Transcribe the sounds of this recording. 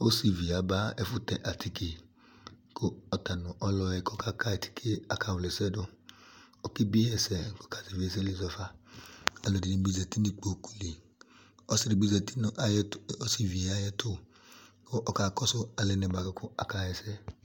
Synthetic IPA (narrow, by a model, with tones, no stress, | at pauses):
o˦si˨vi˨a˨˦ba˨˦ɛ˧fu˦tɛ˧˨ʔa˨tʰi˦ke˨ | ko˦ɔ˨ta˨nũ˨ʔɔ˧lɔ˧ɛ˧kɔ˦ka˦˧ka˦ɛ˨tʰi̥˦kʰe˦a˨ka˧wlɛ˨sɛ˦do˧ | ɔ˦ki˦bi˦ɛ˧˨sɛ˨kɔ˦ka˨si˨vi˨˦ɛ˨s̬ɛ˦li˨˧˨zɔ˧fa˧ | a˧lɔ˨di˨nĩ˧˦bi˦zɛ˧˨ti˦ni˧k͡po˨ku̥˨li˨ | ɔ˦si˧ɾi˧bi˦zɛ˧ti˦n˧˦si˧˨vi˨ɛ˨a˦jɛ˧to˦ | ko˦ʔɔ˨ka˧kɔ˦sʊ˦a˧lɛ˧nɛ˧˨ba˨ɡo˧ko˦a˨ka˧˨jɛ˧sɛ˦